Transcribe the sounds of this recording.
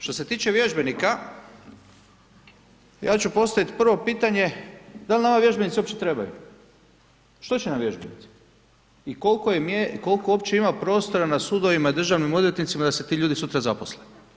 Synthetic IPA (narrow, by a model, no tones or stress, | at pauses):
ʃt̪o̞se̞t̪iːt͡ʃe̞ʋje̞ʒbe̞nika | ja̰ːt͡ɕupo̞st̪aʋit̪pr̩ʋo̞piːt̪aɲe̞d̪alʲinamaʋje̞ʒbenit̪sio̞pt͡ɕet̪ɾe̞ba̰jṵ | ʃt̪o̞t͡ɕenamʋje̞ʒbe̞nḭt̪si̥ | ikolkojemjeko̞lkoo̞pt͡ɕe̞imapɾo̞ːst̪o̞ɾanasud̪o̞ʋimaid̪r̩ʒaʋnimod̪lʲʎje̞t̪nit̪simad̪aset̪iːʎuːd̪isut̪ɾazaposle